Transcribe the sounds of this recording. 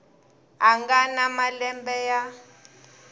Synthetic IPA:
aŋɡanamalɛmbɛja

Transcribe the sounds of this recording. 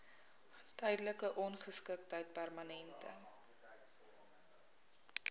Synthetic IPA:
tœjdələkəʔɔnχəskək̚təjt̚pærmɐnɛntə̰

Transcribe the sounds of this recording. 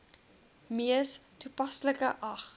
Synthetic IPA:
miəstupɐsləkəʔɐχ

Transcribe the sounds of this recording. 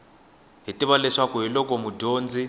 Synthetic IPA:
ɦitʼiβalɛʂakɔɦilɔkɔmudoːnd͡zi

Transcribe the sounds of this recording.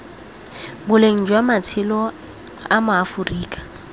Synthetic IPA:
bʊleŋ̩d͡ʒwamatʰɪlɔ | amʊafʊriːkʼḁ

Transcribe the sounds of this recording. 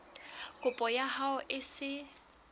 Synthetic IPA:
kʼʊpʼɔjahaʊʔɪsɪ

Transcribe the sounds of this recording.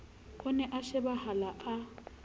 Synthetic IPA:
hʊnɛʔaʃɪbahalaʔa

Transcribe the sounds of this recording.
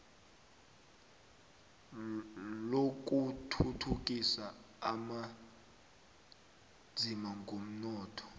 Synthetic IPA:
lok̬ʼutʰutʰuk̬ʼisa | ama | zʱimaŋɡʱom̩nɔːtʰɔ̥

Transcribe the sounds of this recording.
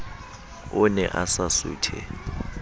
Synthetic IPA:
ʊnɛʔasasṵːtʰɛ̰

